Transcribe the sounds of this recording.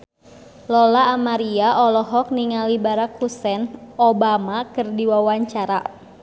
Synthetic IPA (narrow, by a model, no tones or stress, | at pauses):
lɔlaːmaɾiaʔɔlɔɦɔk̚niŋalibaɾakhusɛnobamakɨrdiwawaɲt͡ʃaɾa̰